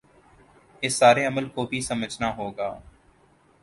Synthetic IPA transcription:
ɪsːaːɾeɐməlkobʱisɐməd͡ʒʱnaɦoːɡaː

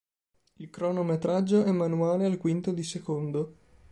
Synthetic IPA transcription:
ilkɾɔnomet̪ɾad͡ʒːoɛmːanuaːlealkwint̪od̪isekond̪o

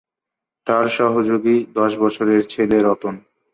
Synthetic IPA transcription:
t̪aɾʃɔɦod͡ʑoɡid̪ɔʃbɔt͡ɕʰoɾeɾt͡ɕʰeleɾɔt̪on

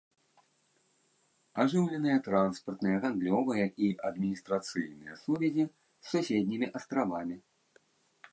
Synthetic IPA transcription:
aʐɨwlʲɛnɨjɐt̪ɾanspɐrt̪nɨjɐɣand̪lʲɔvɨjɐʔiʔɐd̪mʲinʲist̪ɾat̪sɨjnɨjɐsuvʲɛzʲi | sːusʲed̪ʲnʲimʲiʔɐst̪ɾavamʲi

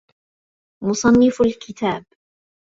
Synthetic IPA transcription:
mʊsˤɑnːɪfalkɪt̪aːb

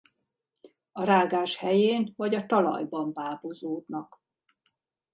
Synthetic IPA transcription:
ɒɾaːɡaːʃhɛjeːnvɒɟɒt̪ɒlɒ̰jbɒmbaːbozoːd̪nɒk

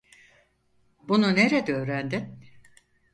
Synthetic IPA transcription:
bununeɾɛd̪ɛøːɾænd̪in

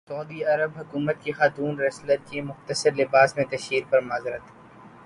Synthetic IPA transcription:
sɔːd̪iɐɾəbɦʊkuːmət̪̚kixaːt̪uːnɾɛslət̪̚kimʊxt̪əsəɾlɪbaːsmẽt̪ɐʃiːɾpɐɾmaːzɾɐt̪ʰː

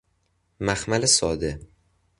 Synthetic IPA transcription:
mæxmælesɒːd̪e

